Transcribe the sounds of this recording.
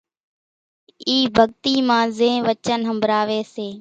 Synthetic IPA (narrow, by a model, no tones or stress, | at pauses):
iːbʱəɠ̚t̪iːmãːzẽːʋət͡ʃənɦəmbʱɾaːʋeːseː